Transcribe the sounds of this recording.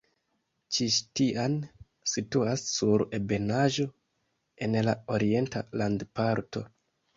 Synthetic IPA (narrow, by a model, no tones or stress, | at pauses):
t͡ʃiʃtian | situasːuɾe̞be̞naʒo̞ | e̞nlao̞ɾie̞nta̰landpaɾto̞̰